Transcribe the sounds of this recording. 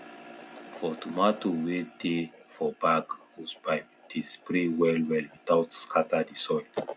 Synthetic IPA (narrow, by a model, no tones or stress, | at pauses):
fɔtʰumatowedefɔpakhɔsbaj | d̥ispɹiwɛlwɛlwitawtskatadisɔjl